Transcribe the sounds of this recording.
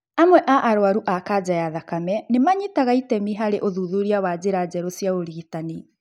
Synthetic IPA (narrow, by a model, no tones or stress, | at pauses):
amwɛʔaʔaɾoaɾuʔakad͡ʑajaðakamɛnemaɲitaɣaitɛmiɦaɾeʔoðuðuɾiawad͡ʑeɾad͡ʑɛɾosijaɣoɾiɣitani